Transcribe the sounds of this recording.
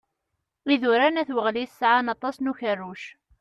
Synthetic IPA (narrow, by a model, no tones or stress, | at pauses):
iðʊɾanæθwəʁliθsʕanɑt̪ˤɑsnuçərːuʃ